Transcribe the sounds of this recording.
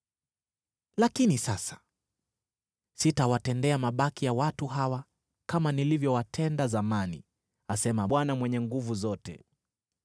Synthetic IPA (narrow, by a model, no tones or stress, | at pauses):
lakinisasḁ | sitawatɛndɛamaɓakijawatuɦawa | kamanilivjɔwatʰɛndazamani | asɛmaɓwanamwɛɲɛŋɡuvuzɔtɛ̰